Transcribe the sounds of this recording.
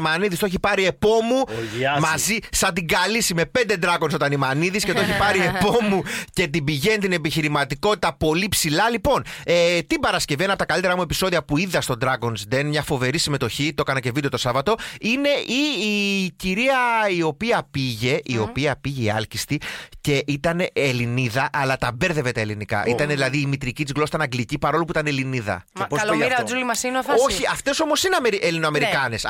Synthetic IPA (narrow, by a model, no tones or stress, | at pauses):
mɐniðist̪oeçipɐɾie̞po̞mumɐzisɐnd̪iɡɐlisime̞pe̞nd̪e̞d̪ɾɐkonso̞t̪ɐnimɐniðiscet̪oeçipɐɾie̞po̞muce̞t̪̬ibiʝent̪ine̞piçiɾimɐt̪iko̞t̪i̥t̪ɐpo̞lipsilɐlipo̞net̪ibɐɾɐsce̞venɐpot̪ɐkɐlit̪eɾɐmue̞piso̞ðiɐpuiðɐst̪o̞d̪ɾɐko̞nsd̪enmɲɐfo̞ve̞ɾisime̞t̪o̞çit̪oekɐnɐce̞vid̪ot̪o̞sɐvɐt̪o̞ine̞iːciɾiɐio̞piɐpiʝe̞ʔio̞piɐpiʝeiɐlcist̪ice̞ʔit̪ɐneʔːliniðɐʔɐlɐt̪ɐbe̞ɾðe̞ve̞t̪ɐelinikɐ̰ʔit̪ɐneðilɐðiːmit̪ɾicit̪izɣlo̞sit̪ɐnɐŋɡlicipɐɾo̞lupuit̪ɐneliniðɐ̰oɐlomiɾɐod͡zulimɐsinoθoçiɐft̪e̞so̞mo̞sineɐmeɾiʔelino̞ɐme̞ɾikɐne̞s